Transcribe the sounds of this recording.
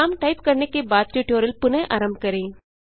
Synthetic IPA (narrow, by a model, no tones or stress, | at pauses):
aːmʈɐɪpkɐɳɐkːebaːt̪t͡ʃoʈːjoːɾɪlpʊnɐʔɐɾɐmbkɐɾe